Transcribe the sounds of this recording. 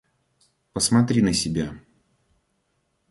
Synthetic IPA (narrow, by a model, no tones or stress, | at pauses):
pəsmɐt̪ɾʲinəsʲɪbʲa